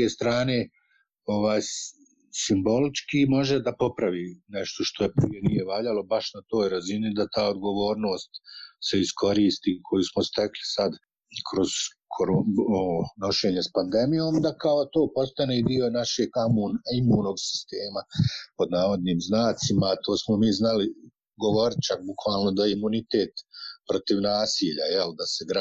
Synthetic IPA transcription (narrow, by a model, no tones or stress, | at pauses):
eːst̪ɾaːne̞ | o̞ʋaːj | simbo̞lit͡ʃkimo̞ʒed̪apo̞pɾaʋiːneʃt̪oʃt̪o̞jepɾije̞nije̞ʋaːʎalo̞baʃnat̪o̞ːjɾazinid̪at̪aːod̪ɡo̞ʋo̞ːɾno̞ːst̪se̞iskʰo̞ɾiːst̪iːkʰo̞jusmost̪e̞klisad̪ | kʰɾo̞z̥ | kʰoɾuoono̞ʃe̞ːɲespand̪e̞mijoːmd̪akaot̪o̞ːpo̞st̪aneid̪io̞naʃe̞ːɡamuːnimuːno̞ɡsi̥st̪eːmapo̞d̪naːʋo̞d̪niːmznaːt̪simaːt̪o̞ːsmomiːznali | ɡo̞ʋo̞ɾt͡ʃak̚bukʋaːlˠno̞d̪aimunit̪eːt̪pɾo̞t̪iʋnaːsiːʎa̰jeld̪aseɡɾa